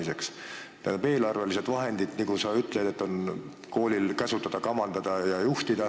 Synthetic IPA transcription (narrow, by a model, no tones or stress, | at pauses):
ise̞ks | t̪æ̰nube̞ːlɑrvelised̪̥vɑɦe̞nd̪̥id̪̥niɡusɑyt̪ːˑled̪et̪ːˑo̞n | ko̞ːlʲilkæsut̪ːˑɑd̪̥ɑkɑmɑnd̪̥ɑd̪̥ɑjɑjuht̪id̪̥ɑ